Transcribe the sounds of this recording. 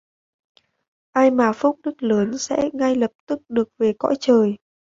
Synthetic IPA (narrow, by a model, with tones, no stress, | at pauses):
ʔaː˧jmaː˨˩fu˦˥k͡p̚ɗɨ˦˥k̚ləː˨˦nsɛ̰˧˥ŋa˧jlə˨˩p̚t̪ɨ˦˥k̚ɗɨ˨˩ək̚ve˨˩kɔ̰˧˥jt͡ɕəː˨˩j